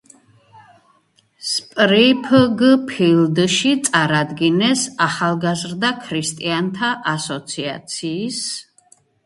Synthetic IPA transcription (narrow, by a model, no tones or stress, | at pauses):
spʼɾipʰɡpʰild̪ʃit̪sʼaɾad̪ɡinɛsaχalˠɡazɾd̪akʰɾist̪ʼiant̪ʰaʔasɔt̪sʰia̰t̪sʰiːs